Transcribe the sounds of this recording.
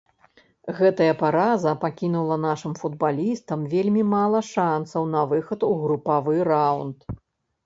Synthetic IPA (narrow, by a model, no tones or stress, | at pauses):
ɣɛt̪ɐjɐpaɾazɐpakʲinulˠɐnaʂɨmfud̪̚balʲist̪ɐmvʲelʲmʲimalˠɐʂansɐwnɐvɨxɐt̪uɣɾupavɨɾawnt̪